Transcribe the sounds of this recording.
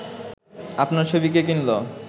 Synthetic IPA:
apnaɾt͡ʃʰobikek̬inlo

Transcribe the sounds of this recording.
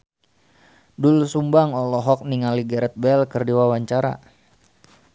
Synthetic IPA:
dulsumbaŋɔlɔɦɔk̚niŋaliɡɛɾɛt̪̚bɛlkərdiwawaɲt͡ʃaɾa̰

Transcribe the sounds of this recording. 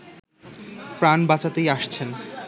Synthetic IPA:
pɾanbat͡ɕat̪ejaʃt͡ɕʰen

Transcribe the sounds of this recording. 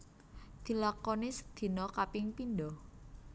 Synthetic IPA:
d̪̥i̤lakonɪsd̪̥i̤nɔkapɪŋpinɖɔh

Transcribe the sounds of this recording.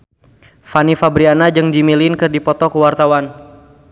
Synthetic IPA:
fanifabɾianad͡ʒɨŋd͡ʒimilinkɨrdipɔt̪ɔkəwart̪awan

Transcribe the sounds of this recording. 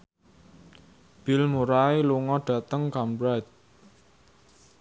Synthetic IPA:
b̥ɪ̤lmuɾaeluŋɔɖ̥ä̤t̪əŋkambɾajt̪̚

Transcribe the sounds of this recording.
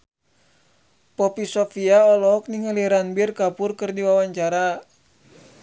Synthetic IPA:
pɔpisofiaɔlɔk̚niŋəliɾanbirkapurkɨrdiwawaɲt͡ʃaɾa

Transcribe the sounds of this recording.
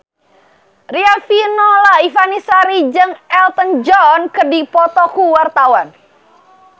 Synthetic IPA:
riafinɔlaifanisaɾid͡ʒɨŋɛlt̪ənd͡ʒɔnkədipɔt̪ɔkuwart̪awan

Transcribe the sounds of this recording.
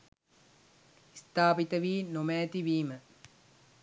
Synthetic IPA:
ist̪aːbit̪ɐʋiːnomɛːt̪iʋiːmə

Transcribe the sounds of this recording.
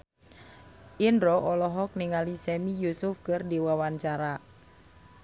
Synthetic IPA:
ʔinɾɔʔɔlɔɦɔk̚niŋalisɛmijusʊfkɨrdiwawaɲt͡ʃaɾa

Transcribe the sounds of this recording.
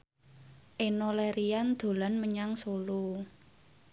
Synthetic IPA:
ʔenolɛɾiand̪̥o̤lanməɲaŋsolu

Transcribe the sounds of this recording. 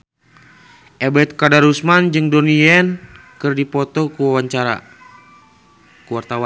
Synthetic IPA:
ʔɛbɛt̪̚kadaɾusmand͡ʒɨŋdɔniɛn | kɨrdipɔt̪ɔkuwawaɲt͡ʃaɾa̰ | kuwart̪awan

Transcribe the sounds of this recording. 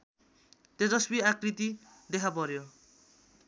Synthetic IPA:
t̪ed͡zʌsbiakrit̪i | d̪ekʰapʌɾjo

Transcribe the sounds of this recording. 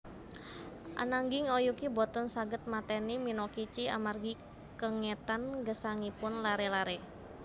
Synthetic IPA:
ʔa̰naŋɡiŋɔjukibɔt̪ɔnsaɡət̪̚mat̪ɛniminɔkit͡ʃia̰marɡi | kəŋɛt̪anɡəsaŋipʊnlaɾɛlaɾɛ

